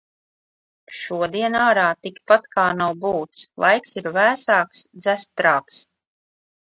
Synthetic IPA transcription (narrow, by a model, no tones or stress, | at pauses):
ʃuɔd̪iɛnaːɾaːt̪ikpat̪kaːnawbuːt̪slˠʔa̰jksiɾvæːsaːksd̪zæst̪ɾaːks